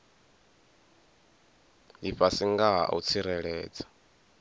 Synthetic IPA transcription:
liɸasiŋɡaɦa̰ṵt͡sʰiɾɛɺɛːd͡zḁ

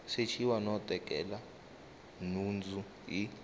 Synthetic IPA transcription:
set͡ʃʰiwanɔtʼɛkʼɛla | nund͡zu | i

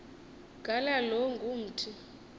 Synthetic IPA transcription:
ɡ̥ʱʼalaloŋɡʱum̩tʰi

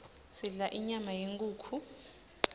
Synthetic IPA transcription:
siɮaʔiɲamajeŋkʼuːkʰu

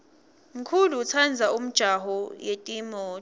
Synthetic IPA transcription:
m̩kʰuluːt͡sʰand͡zʱaum̩d̥ʒ̥ʱaɦɔjetʼimɔː

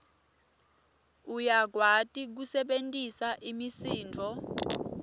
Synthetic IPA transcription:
ujaɡʱwatʼik̬usɛɓentʼisaʔimisiːnd͡vʱɔ

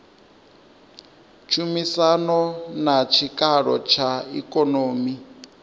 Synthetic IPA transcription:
t͡ʃʰumisanɔnat͡ʃʰikʼaɺɔ̰t͡ʃʰaḭkʼɔnoːmi

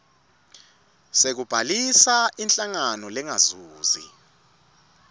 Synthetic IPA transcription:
sek̬ub̥ʱalisaint͡ɬʼaŋanɔlɛŋazuːzḭ

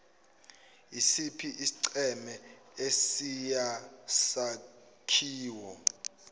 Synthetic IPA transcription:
isipʰiʔisi̥ǀɛmɛ | esijasa | kʰiːwɔ

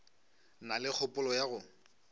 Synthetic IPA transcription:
nalɪk͡xʰɔpʼʊlɔjaɣʊ

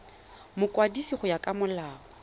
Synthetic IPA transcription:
mʊkʼwadisiχʊjakʼamʊlaːɔ

